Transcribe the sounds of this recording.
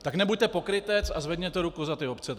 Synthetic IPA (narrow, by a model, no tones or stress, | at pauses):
t̪aknɛbuc̚ʲt̪ɛpo̞kɾɪt̪ɛt͡sazvɛd̪ɲɛt̪ɛɾukuzat̪ɪopt͡sɛ